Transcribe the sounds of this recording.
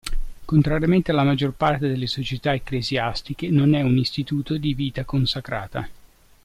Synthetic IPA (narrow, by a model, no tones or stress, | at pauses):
kont̪ɾaɾijament̪ealːamad͡ʒːorpart̪ed̪elːesot͡ʃet̪aekːlezjast̪ik̟enonɛunist̪it̪uːt̪od̪iviːt̪akonsakɾaːt̪a̰